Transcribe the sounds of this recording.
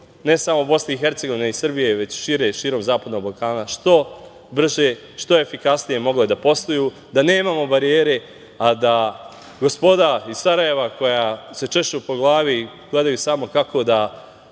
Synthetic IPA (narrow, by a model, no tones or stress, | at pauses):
ne̞samobo̞sne̞ixe̞ɾt̪se̞ɡo̞ʋine̞isr̩bije̞ʋe̞t͡ɕʃiːɾe̞ʃiːɾo̞mzaːpad̪no̞ɡ̚balˠkaːnaʃt̪o̞ | br̩ʒe | ʃt̪o̞e̞fikasnije̞mo̞ɡlod̪apo̞st̪ojuː | d̪ane̞ːmaːmo̞baɾijeːɾe̞ | ad̪a | ɡo̞spo̞d̪aisaɾaje̞ʋako̞jase̞t͡ʃe̞ʃt͡ʃupo̞ɡlˠaːʋi | ɡ̥le̞d̪ajuːsamo̞kakʰo̞d̪a